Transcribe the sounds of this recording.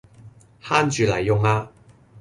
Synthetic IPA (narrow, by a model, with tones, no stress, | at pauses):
haː˥nt͡ʃyː˨˧lɐ̰˨˩jːʊ˨˧ŋaː˧